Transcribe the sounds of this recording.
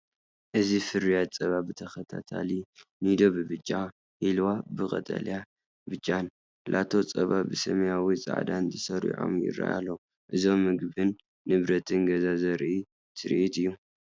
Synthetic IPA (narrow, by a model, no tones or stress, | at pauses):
ʔɨzifɨɾijat͡sʼɐβabɨt̪ʰɐxɐt̪ʰa̰t̪ʰa̰linid̪o̞βɨbɨt͡ʃʼːa | hilwabɨkʼɐ̰t̪ʼɐ̰lja | bɨt͡ʃʼːan | lʔa̰t̪ʰo̞t͡sʼɐβabɨsɐmɐjawit͡sʼa̰ʕd̪anzʰɨsɐɾḭʕo̞̰mjɪ̰ɾa̰ʔa̰lːɐ | ʔɨzomːɨɡbɨnː | ɨβɾɐt̪ʰɨnɡɐzazɐɾʔi | t̪ʰɨɾʔit̪ɨjːu